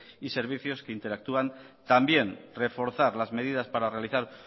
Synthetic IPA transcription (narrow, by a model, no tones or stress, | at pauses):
ise̞ɾβ̞iθjoskeint̪e̞ɾak̚t̪uan | t̪ambje̞nre̞fo̞ɾθaɾlazme̞ð̞iðaspaɾare̞aliθaɾ